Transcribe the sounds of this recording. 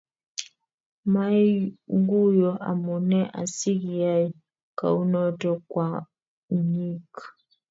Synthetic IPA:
ma˦i˦ŋ˦ɡu˦jɔ˨ʔa̰˨mɔ˨nɛ˦ʔa̰˨si˦ki˨ja˦i˦ | ka˨u˦nɔ˦tɔ˦kwa˨ | ɲi˦˨k

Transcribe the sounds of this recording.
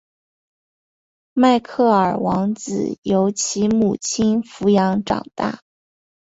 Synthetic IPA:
ma˥˧ɪkʰɤ˥˩ə˞˨˩wɑ˧˥ŋt͡sɹ̩̰˨˩jo˧˥ʊt͡ɕʰi˧˥mu˨˩t͡ɕʰi˥nfu˧˥jɑ˧˥ŋʈ͡ʂɑ̰˨˩ŋt̪a̰˥˩

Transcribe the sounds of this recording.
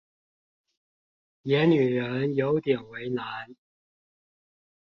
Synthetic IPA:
jɛ˨˥ny˨˩ɻə˧˥njo˨˥ʊt̪jɛ˨˩nwe˨˥ɪna˨˥n

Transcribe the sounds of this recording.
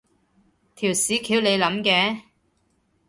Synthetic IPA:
t̪ʰiː˨˩wsiː˨˥kʰiː˨˥wle˨˧jlɐ˨˥mkɛː˨˥

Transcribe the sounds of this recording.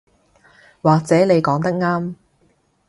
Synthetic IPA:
waː˨k̚t͡sɛː˨˥ne˨˧jkɔː˨˥ŋt̪ɐ˥k̚ŋaː˥m

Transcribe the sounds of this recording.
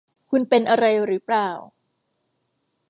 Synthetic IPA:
kʰu˧npe˧nʔa˧ɾa˧jɾɯː˩˦˥plaː˨˩w

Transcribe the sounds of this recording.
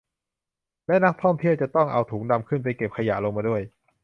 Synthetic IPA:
lɛ˦˥na˦˥k̚t̪ʰɔ˥˩mt̪ʰi˥˩əwt͡ɕa˨˩t̪ɔ˥˩ŋʔa̰˧wt̪ʰuː˩˦ŋda˧mkʰɯ˥˩np̬a˧jke˨˩p̚kʰa˧ja̰˨˩lo˧ŋmaː˧du˥˩əj

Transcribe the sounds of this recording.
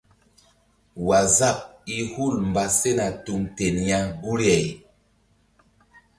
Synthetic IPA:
wa˨za˦p̚i˦hu˦˨lmba˨se˦na˨tu˧mte˨nja˦ɡu˦ɾɛ˨j

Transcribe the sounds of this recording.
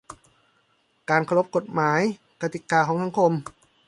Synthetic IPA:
kaː˨nkʰa˧ɾo˦˥p̚ko˨˩t̪̚maː˩˦j | ka˧t̪i˨˩kaː˧kʰɔː˩˦ŋsʰa˩˦ŋkʰo˧m

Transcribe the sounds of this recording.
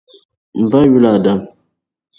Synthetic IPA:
m̩˨ba˦ɥu˦la˨da˨m

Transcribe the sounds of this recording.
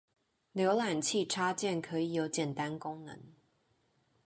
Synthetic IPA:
ljo˧˦ʊla˨˩nt͡ɕʰi˥˨ʈ͡ʂʰa˥t͡ɕjɛ˥˨nkʰɤ˧˦i˨˩jo˧˥ʊt͡ɕjɛ˨˩nt̪a˦nkʊ˥˦ŋnə̰˧˦ŋ

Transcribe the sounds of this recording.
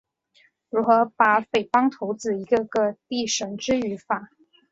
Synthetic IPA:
ɻu˧˥xɤ˧˥pa˧˥pe˨˩ɪfɑ˥ŋt̪ʰo˧˥ʊt͡sɹ̩˥˩i˧˥ɡə˧ɡə˧t̪i˥˩ʂə˧˥ŋʈ͡ʂɻ̩˥y˧˥fa˨˩˦

